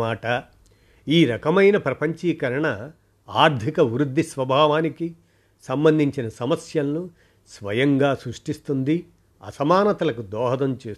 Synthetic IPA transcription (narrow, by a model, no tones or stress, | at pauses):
aːʈɐ | iːɾɐkɐmɐjnɐpɾɐpɐɲt͡ʃiːkɐɾɐɳɐ | aːɾd̪ʱikɐʋɾud̪ʱːisʋɐbʱaːʋaːniki | sɐmbɐnd̪ʱiɲt͡ʃinɐsɐmɐsjɐlnu | sʋɐjɐŋɡaːsɾuʂʈist̪und̪i | ɐ̰sɐmaːnɐt̪ɐlɐkud̪ɔːɦɐd̪ɐmt͡ʃeː